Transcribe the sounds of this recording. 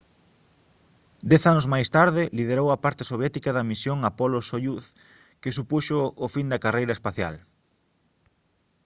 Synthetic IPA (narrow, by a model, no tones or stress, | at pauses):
d̪ɛθanozmajst̪aɾðɪliðeɾowɐpaɾt̪ɪ̥soβjɛt̪ikɐðɐmisjoŋapolosojuθ | kesupuʃʊːfind̪ɐkarejɾɐespaθja̰l